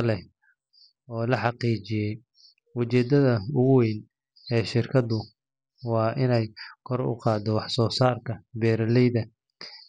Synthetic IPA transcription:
lɛ | ɔːlɐħɑqiːt͡ʃɪjɛj | ʊt͡ʃɛːd̪ɐðɐʊɣʊwɛjn | ɛːʃɪrkʰɐd̪ʊ | wɑːʔɪnɛjkʰɔrʊ̰qɑːd̪ɔwɑħsɔːsaːrkʰɐbɛːɾɐlɛjðɐ

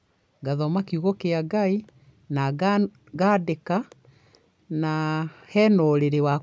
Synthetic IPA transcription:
ɡaðɔmakiuɣɔkeaɡai | na | ɡadeka | nahɛnɔɾeɾewa

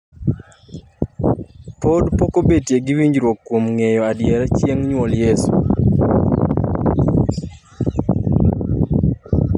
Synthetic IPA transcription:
podpokobetjeɡɪwiɲd͡ʒɾwokːwomŋejɔadjɛɾɛt͡ʃjeŋɲwɔljesṵ

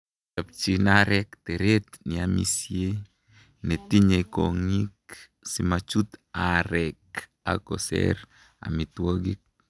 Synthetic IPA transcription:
ap̚t͡ʃinaɾɛkt̪eɾet̪nɪamḭsje | net̪iɲeko̰ŋik̚ | simat͡ʃut̪aɾɛka̰ko̰sɛ̰ɾ | a̰mit̪woɡik̚

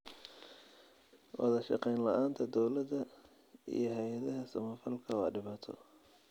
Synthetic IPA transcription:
wɑ̰ðɐʃɑ̰qɛjnlɐʔaːnt̪ʰɐd̪ɔwlɐd̪ɐ | ḭjɞɦɛjɐðɐɦɐsɐmɐfɐlkʰɐwɑ̰ːɖɪβaːt̪ʰɔ̰

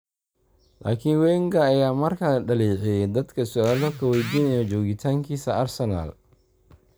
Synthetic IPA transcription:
la̰ːkʰɪnwɛːŋɡɐːjaːmɐrkʰɐɖɐliːʕɪjɛd̪ɐd̪kʰɐsɔʔaːlɔkʰɐwɛjd̪iːnɛjɔt͡ʃɔːɣɪt̪ʰaːŋkʰiːsɐɐrsɛna̰ːl

